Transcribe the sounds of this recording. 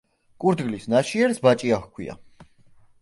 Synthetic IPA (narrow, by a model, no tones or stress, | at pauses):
kʼuɾd̪ɡlisnaʃiɛɾsbat͡ʃʼiaxkʰwḭa̰